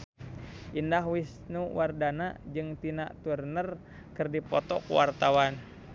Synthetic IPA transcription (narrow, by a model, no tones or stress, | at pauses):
ʔindaɦwis | nuwardanad͡ʒɨŋt̪inaʔt̪urnər | kɨrdipɔt̪ɔ̰kuwa̰rt̪awan